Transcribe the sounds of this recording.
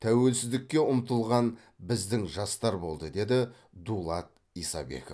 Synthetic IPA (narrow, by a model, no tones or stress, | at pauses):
t̪ʰæwe̞lsɪzd̪ɪkʲːe̞ʊmt̪əlˠʁɑn | bɪzd̪ɪŋʒɑst̪ɑɾbo̞lˠd̪əd̪e̞d̪ɪ | d̪ulˠɑt̪̚ | isɑ̰be̞̰kof